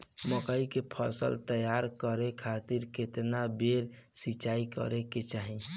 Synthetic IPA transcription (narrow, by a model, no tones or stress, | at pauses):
məkəikepʰə̰sə̰lt̪əjaɾkəɾekʰat̪iɾket̪nabeɾ | sit͡ʃaikə̰ɾeket͡ʃaɦi